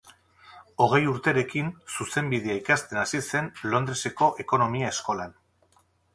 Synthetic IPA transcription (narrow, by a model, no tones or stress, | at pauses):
o̞ɣ̞e̞juɾt̪e̞ɾe̞kinsuse̞mbið̞e̞aikast̪e̞nasise̞nlo̞nd̪ɾe̞se̞ko̞ʔe̞ko̞no̞miae̞sko̞lan